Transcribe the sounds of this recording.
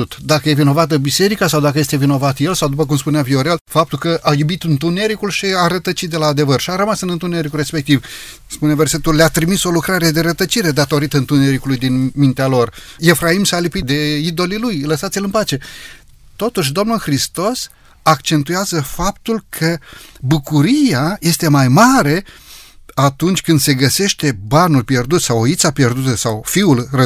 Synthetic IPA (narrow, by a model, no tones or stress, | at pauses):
t̪d̪akəjevino̞vat̪əbise̞ɾikasawd̪akəjest̪e̞vino̞vat̪je̞lsawd̪upək̬umspuneavio̞ɾe̞lfap̚t̪ulkəʔajubit̪ɨnt̪une̞ɾikulʃiaɾət̪ət͡ʃit̪̚d̪e̞laːd̪e̞vərʃiaɾəmasɨnɨnt̪une̞ɾikure̞spe̞k̚t̪iv | spune̞verse̞t̪ulleat̪ɾimiso̞lukɾaɾe̞d̪e̞ɾət̪ət͡ʃiɾe̞d̪at̪o̞ɾit̪əɨnt̪une̞ɾikulujd̪inmint̪ealo̞re̞fɾaimsalipid̪e̞id̪o̞lilujləsat̪sʲilɨnpat͡ʃe̞ | t̪o̞t̪uʃ̬ʲd̪o̞mnulxɾist̪o̞s | akt͡ʃe̞nt̪ujazəfap̚t̪ulkʰəbukuɾiaje̞st̪e̞majmaɾe̞ | at̪unt͡ʃʲkɨnd̪se̞ɡəse̞ʃt̪e̞banulpje̞rd̪ut̪sawoit̪sapje̞rd̪ut̪əsawfiulrə